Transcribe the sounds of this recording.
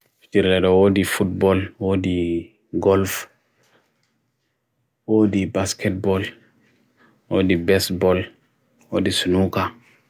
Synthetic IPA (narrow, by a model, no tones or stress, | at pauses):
ftiɾlɛdɔwodifut̚bɔlwodi | ɡɔlf | wodibaskɛt̚bɔl | wodibɛstbɔl | wodisunuka